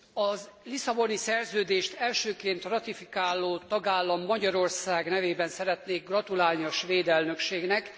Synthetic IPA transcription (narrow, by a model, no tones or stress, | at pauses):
ɒzlisɒbo̞nisɛrzøːd̪eːʃt̪ɛlʃøːkeːnt̪rɒt̪ifikaːlːoːt̪ɒɡaːlːɒmːɒɟɒɾo̞rsaːɡnɛveːbɛnsɛɾɛt̪neːɡrɒt̪ulaːlniɒʃʋeːd̪ɛlnø̞kʃeːɡnɛk